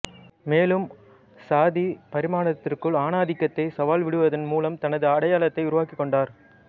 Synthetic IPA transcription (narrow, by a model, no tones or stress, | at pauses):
meːlɯm | saːðipɐɾɪmaːɳɐt̪ːɪrkɯɭaːnaːðɪkːɐt̪ːɐɪsɐʋaːlʋɪɽɯʋɐðɐnmuːlɐmt̪ɐnɐðɯɐɽɐjaːlɐt̪ːɐɪʊɾʊʋaːkɪkːɔɳɖaːɾ